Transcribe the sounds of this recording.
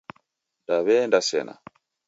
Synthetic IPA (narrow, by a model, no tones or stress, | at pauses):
ndaβɛːndasɛ̰na̰